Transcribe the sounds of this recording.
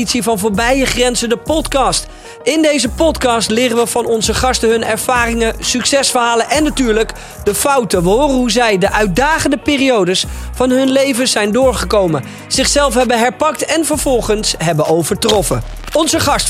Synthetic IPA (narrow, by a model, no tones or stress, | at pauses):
itsivɑnvoːɹbɛjəχrɛnzədəpɔtkɑst | ɪndejzəpɔtkɑstlɪːrəʋəvɑnɔnzəχɑstəɦɵnɛɹv̥aːrɪŋəsyksɛsfəɹɦaːlənʔɛnːatyːɹlək | dəfɑwtəʋəɦʊːrənɦuzɛjdəʔœɥt̚daːχəndəpɪːriowdəsfɑnɦɵnlejvəsɛjndʊːɹχəkowmə | z̥ɪχsɛlˠfɦɛbənɦɛɹpɑk̚tɛnvəɹvɔlˠχənsɦɛbəʔowvəɹtrɔfə | ɔnzəχɑst